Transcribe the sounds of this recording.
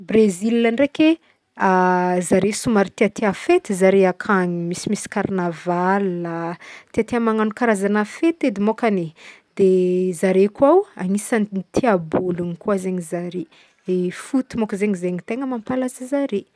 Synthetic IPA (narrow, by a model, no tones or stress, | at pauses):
brezilːanreke | azaɾesumaɾit̪iat̪eafet̪izaɾeakʰaɲimisimisi̥karnavalat̪iat̪eamaŋanukaɾazanafet̪ed̪emokane | d̪̥ezaɾekwawa̰ŋisant̪ʰiabulunikwazeɲizaɾe | efut̪imokəzeɲizeɲit̪eŋəmampalazəzaɾe